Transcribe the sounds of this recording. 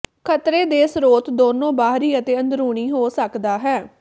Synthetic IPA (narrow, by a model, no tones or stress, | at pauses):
kʰət̪ɾeːd̪eːsɾoːt̪d̪oːnõːbaːɦɾiːət̪eːənd̪ɾuːɳiːɦoːsəkd̪aːɦɛː